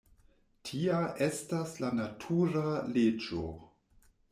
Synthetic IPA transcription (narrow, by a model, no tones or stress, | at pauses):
tʰiaʔestaslanatʰuɾaled͡ʒo̰